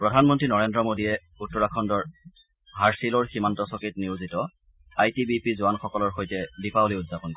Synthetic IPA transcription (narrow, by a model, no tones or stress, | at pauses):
pɹɔdʱanmɔntɹinɔɹendɹɔmodiɛ | utːɔɹakʰɔndɔɹ | ɦaɹsilɔɹximantɔsɔkitniwzitɔ | ajtibipizʊanxɔkɔlɔɹxojtɛdipaoliʊdzapɔnkoɛ